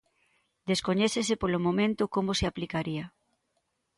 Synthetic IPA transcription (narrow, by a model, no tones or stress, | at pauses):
d̪eskoɲɛθesepolomõmẽnt̪ʊkomʊseaplikaɾiɐ